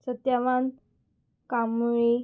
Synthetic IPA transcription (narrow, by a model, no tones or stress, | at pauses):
sət̪jaʋan | kamuɭi